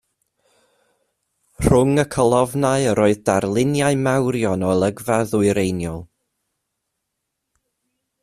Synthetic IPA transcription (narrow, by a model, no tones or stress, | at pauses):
r̥ʊŋəkʰəlˠɔvnaɨəɾoːɨðdarlˠɪnjaɨmawɾjɔnɔəlˠəɡvaðʊɨɾejnjɔlˠ